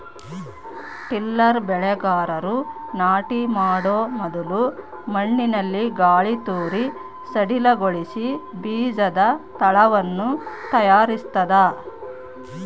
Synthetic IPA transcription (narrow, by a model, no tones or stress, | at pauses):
ʈilːɐɾbɛɭɛɡaːɾɐɾunaːʈimaːɽoːmɔd̪ɐlu | mɐɳːinɐlːiɡaːɭit̪uːɾi | sɐɽilɐɡoɭisibiːd͡ʒɐd̪ɐt̪ɐɭɐʋɐnːut̪ɐjaːɾist̪ɐd̪ɐ